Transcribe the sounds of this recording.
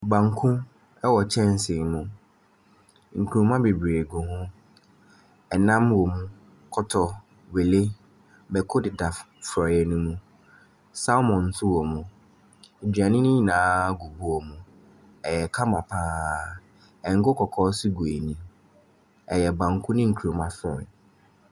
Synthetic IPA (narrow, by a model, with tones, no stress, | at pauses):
ɡ͡bã˨ŋ˦kʰũ˦ | ɛ˦wɔ˨t͡ɕʰɛ̃˦n˦sɪ˨nũ˨ | ŋ̩˨kʰu˨ũ˨˦mã˦be˨bɾe˨ɡʊ˨hʊ̃˦ | ɛ˨nã˦mwɔ˨mũ˦ | kʰɔ˦tʰɔ˨ | we˨le˦ | bɛ˨kʰo˦dɪ˨da˨ | fɾɔ˨jɛ˨nũ˦mũ˦ | sa˦mɔ̃˨n̩˦tʰʊ˦wɔ˨mũ˨ | d͡ʑᶣa˨nɪ̃˦nĩ˦˨nãː˨˦ɡu˨bu˦wɔ˨mũ˨ | ɛ˨jɛ˨kʰa˦mã˨pʰaː˦ | ɛ˨ŋ̩˦ɡʊ˦kʰɔ˨kʰɔː˦si˦ɡu˨e˨nĩ˨ | ɛ˨jɛ˨bã˨ŋ̩˨kʰʊ˦nɪ̃˦ŋ̩˨kʰu˨ɾũ˨mã˦fɔ̰̃˨n